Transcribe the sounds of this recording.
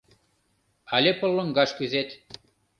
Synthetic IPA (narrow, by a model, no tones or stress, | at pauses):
ɑlʲepə̆lːɤ̆ŋɡɑʃkyzet̪